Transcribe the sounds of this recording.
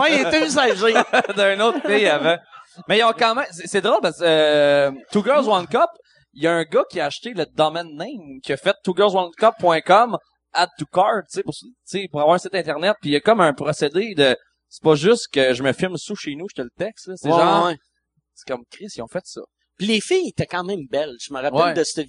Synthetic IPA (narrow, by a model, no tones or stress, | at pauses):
mɛjeøzaʒɪd̪ə̃not̪pejavãmɛjɔ̃kɑ̃ːmɛ̃msesɛd̪ʁɔoʊlpas | t̪uɡœlzwãnkɔp | jʌə̃ɡʌkʲiəaʃt̪eləd̪ʌmɛnːẽɪmkʲiɐfɛt̪ːuɡɜlzwãnkɔpːwɛ̃kɔm | at̪̚t̪ːukɑɹd̪̚t͡sepʊʁst͡sepuʁavwɑːʁə̃sɪt̪ɛ̃t̪ɛʁnɛt̪̚pijʌkɔmə̃pʁɔsed̪ed̪ə | se̥pʌʒʏst̪kʲəʒəməfɪlmsuʃenuʃt̪ɛlət̪ɛkst̪ləseʒɑ̃ɛ | se̥kʌmkʲʁɪsijɔ̃fɛt̪sʌ̰ | pilefɪjet̪ɛkɑ̃ːmɛ̃ɪ̃mbɛlʒ̥əməʁawɛlɛd̪əst̪ə